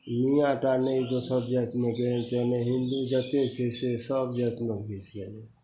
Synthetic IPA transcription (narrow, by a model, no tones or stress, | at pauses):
mijãʈaneit̪osəbd͡ʒət̪meɡent̪emẽɦɪnd̪ud͡ʒət̪esesesəb̚d͡ʒət̪mebʱit͡ʃɡele